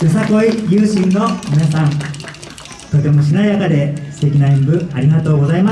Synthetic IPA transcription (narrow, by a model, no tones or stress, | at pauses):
jɯsako̞ijɯːɕĩnːo̞mʲinasãn | t̪o̞t̪e̞mo̞ɕ̬inaijakad̪e̞sɨ̥t̪e̞kʲinaĩmbɯ̟aɾʲiɡat̪o̞ːɡo̞zaimas